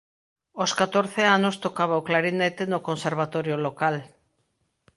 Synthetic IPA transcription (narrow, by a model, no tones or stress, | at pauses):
oskat̪oɾθeanost̪okaβ̞aoklaɾinet̪enokonseɾβ̞at̪oɾjolokal